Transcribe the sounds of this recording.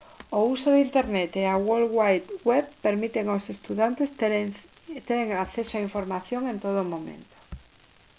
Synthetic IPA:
ousoðint̪eɾnet̪eawolɣwajt̪weβpeɾmit̪eŋosest̪uðant̪es | t̪eɾeŋakθesoaiɱfoɾmaθjoŋẽnt̪oð̞omõmḛ̃nt̪o̥

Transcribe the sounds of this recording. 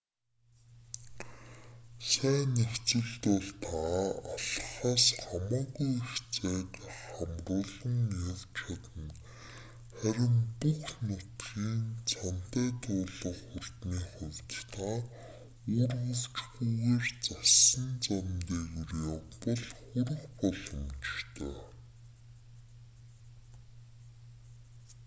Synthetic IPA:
sæːnext͡sɘ̆ɮt̪ɔɮt̪ʰaaɮ̆χaːsχamɔːɣujxt͡sæːtχχamrʊːɮə̆ŋːeːwt͡ɕʰat̪ə̆n | χæɾʲɪ̆mpuxnʊt̪ɣiːnt͡sʰan̥t̪æːt̪ʰʊːɮə̆χʊrt̪niːχʊwʲt̪t̪ʰaː | ʊːrɣɵ̆wt͡ɕɣuɣeːrt͡sasə̆nt͡samt̪eːjurɔpə̆ɮχɵɾɘ̆xpɔɮɞ̆mt͡ɕt̪ʰœː

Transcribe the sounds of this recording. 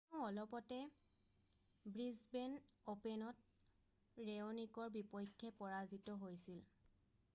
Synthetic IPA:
ʊ̃ɔlɔpɔtɛ | bɹizbenopɛnɔt | ɹeɔnikɔɹbipɔjkʰːɛpɔɹazitɔɦojsil

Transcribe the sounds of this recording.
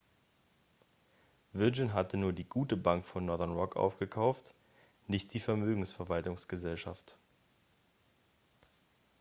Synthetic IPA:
vɪɐd͡ʒɪnɦatənuːɐdiːɡuːtəbaŋkfɔnːɔɐðɛɐnʁɔkʔa̰ʊfɡ̥əkʰaʊft | nɪçt̚d̥iːfɛɐmøːɡŋ̩sfɛɐvaltʊŋsɡ̥əzɛlʃaft

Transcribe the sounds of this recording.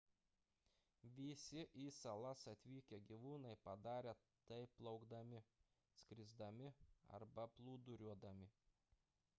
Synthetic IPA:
ʋʲɪsʲɪʔiːsɐlˠɐsɐt̪ʲʋʲiːkʲɛɡʲiʋuːnɐɪpɐd̪ɑːɾʲe | t̪ɐɪpːlˠɒʊɡd̪ɐmʲɪ | sʲkɾʲɪzd̪ɐmʲɪɐ̰ɾbɐplˠuːd̪ʊɾʲuɔd̪ɐmʲɪ

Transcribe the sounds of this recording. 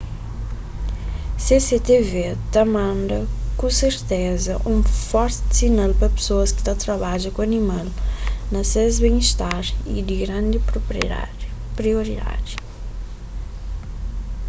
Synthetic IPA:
seset̪evet̪ɐmɐ̃nd̪ɐkũseɾt̪ɛzɐʔũfɔɾt̪ɪsinalpɾɐpe̥soɐski̥t̪at̪ɾɐβaʒɐkũɐnimalnɐsezbẽj̃iʃt̪aɾḭd̪iɡɾãnd̪i | pɾioɾid̪a̰di

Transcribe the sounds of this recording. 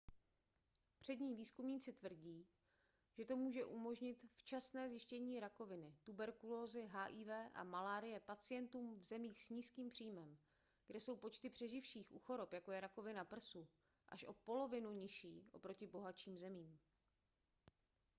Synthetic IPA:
pr̝̥ɛdɲiːviːskumɲiːt͡sɪt̪vr̩ɟiː | ʒ̥ɛt̪o̞muːʒɛʔumo̞ʒɲɪt̪ft͡ʃasnɛːzjɪʃcɛɲiːɾako̞vɪnɪt̪ubɛɾkulo̞ːzɪɦaːʔiːvɛːʔa̰malaːɾɪjɛpat͡sɪjɛnt̪uːmvzɛmiːxsɲiːskiːmpr̝̥iːmɛm | ɡ̥dɛso̞wpo̞t͡ʃt̪ɪpr̥ɛʒɪfʃiːxʔṵːxo̞ɾo̞pjako̞jɛɾako̞vɪnapr̩su | ʔa̰ʃʔo̞po̞lo̞vɪnuɲɪʃḭːʔo̞̰pɾo̞cɪbo̞ɦat͡ʃiːmzɛmiːm

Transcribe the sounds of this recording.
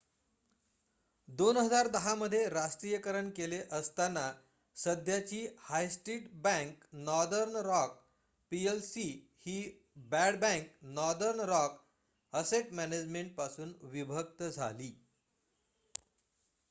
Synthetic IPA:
d̪onɦəd͡zaɾd̪əɦaməd̪ʱːjeɾasʈ̪ɾijəkəɾəɳkeleʔəst̪anːa | səd̪ʱjat͡ɕiːhajsʈɾiːʈbɛ̃ŋknɔɾd̪əɾnɾɔk̚ | pielsiː | hiː | bæɽbɛ̃ŋknɔɾd̪əɾnɾɔk | əseʈmæned͡ʑmeɳʈ̚pasuːnʋibʱək̚t̪əd͡zʱa̰liː

